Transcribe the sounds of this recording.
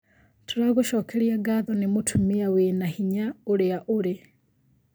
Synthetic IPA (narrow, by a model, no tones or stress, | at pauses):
toɾaɣoʃɔːkʰɛɾiaɡaðɔnemotʰumiawenahiɲaoɾeaʔoɾe